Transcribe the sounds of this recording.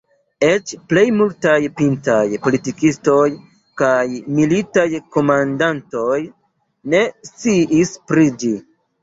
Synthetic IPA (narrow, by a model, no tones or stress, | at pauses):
e̞t͡ʃple̞jmultajpintajpo̞litikisto̞j | kajmilitajko̞mandanto̞j | ne̞st͡siʔispɾid͡ʒi